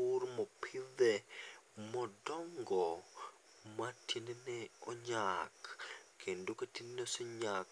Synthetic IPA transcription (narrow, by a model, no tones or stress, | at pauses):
urmɔpʰiðɛ | mɔdɔŋɡɔ | matʰinenɛɔɲakːendoketineneoseɲak